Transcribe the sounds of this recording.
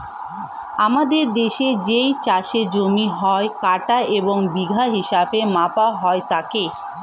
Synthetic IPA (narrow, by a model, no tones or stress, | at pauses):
amad̪eɾd̪eʃed͡ʑejt͡ɕaʃed͡ʑomiɦɔekaʈaʔeboŋbiɡʱaɦiʃabemapaɦɔet̪ake